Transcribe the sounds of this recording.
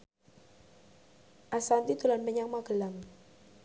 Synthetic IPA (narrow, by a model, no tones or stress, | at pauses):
ʔasant̪it̪ulanpəɲaŋmaɡəlaŋ